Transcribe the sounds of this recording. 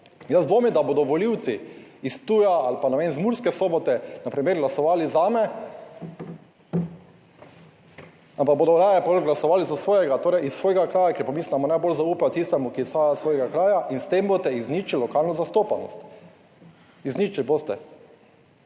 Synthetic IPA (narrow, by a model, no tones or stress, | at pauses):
jazd̪ʋoːmid̪aboːd̪ɔʋɔliwt̪siist̪ujaalpanamenzmuɾskɛsoːbɔt̪ɛnapɾimeɾɡlasɔʋaːlizaːmɛ | ampak̚bod̪ɔɾajɛpɔlɡlasɔʋaːlizasʋoːjɛɡat̪oːɾɛjisːʋoːjɛɡakɾaːjakɛɾpɔmiːsamɔnajbolzauːpat̪ist̪ɛmukisaːjasʋoːjɛɡakɾaːjaʔinst̪embot̪ɛiznit͡ʃillːɔkalnɔzast̪oːpanɔ̰st̪ | izniːt͡ʃilboːst̪ɛ